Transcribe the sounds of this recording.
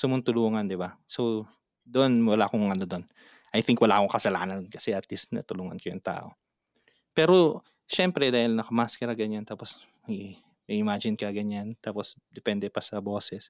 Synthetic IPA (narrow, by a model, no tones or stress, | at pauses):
sʊmʊnt̪ʊluːŋɐnd̪ɪbaso | d̪oʔonwɐlaːkoŋʔɐnod̪o̞n | ʔɐjt̪iŋkwɐla̰ːkoŋkɐsɐla̰ːnɐnkɐsɛʔɐt̪lisnɐ̰t̪ʊluːŋɐ̰nkɐjʊŋt̪a̰ːʔo̞ | pɛːɾo̞ | ʃɛmpɾɛd̪aːhɪlnɐkɐmaskɛɾɐɡɐɲːant̪aːpos | mɐɡi | mʔɪmaːd͡ʒɪnkɐɡɐɲːant̪aːposd̪ɛpɛnd̪ɛpɐsɐbo̞ːsɛs